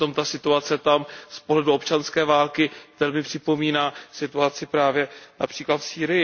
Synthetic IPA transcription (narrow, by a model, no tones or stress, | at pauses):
t̪o̞mt̪asɪt̪uat͡sɛt̪amspoɦlɛduo̞pt͡ʃanskɛːvaːlkɪvɛlmɪpr̥ɪpo̞miːnaːsɪt̪uat͡sɪpɾaːvjɛna̰pr̥iːklat̪fsiːɾɪjɪ